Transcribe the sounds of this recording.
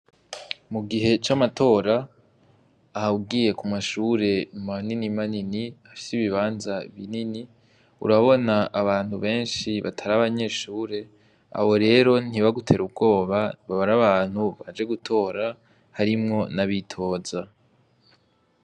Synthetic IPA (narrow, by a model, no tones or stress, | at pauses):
muɡiɦe̞t͡ʃamatʰo̞ːɾa | haubɡiːje̞kumaʃuːɾe̞maninimaniniafi̥siβiβaːnzaβḭnini | ṵɾaβo̞naʔaβaːn̥huβe̞ːnʃiβa̰tʰaɾaβaɲe̞ʃuːɾe̞ | a̰ho̞ɾe̞ːɾo̞n̥iβaɡutʰe̞ɾubɡo̞ːβaβaβaɾaβaːn̥huβad͡ʒe̞ɡutʰo̞ːɾa | haɾimŋo̞naβitʰo̞ːza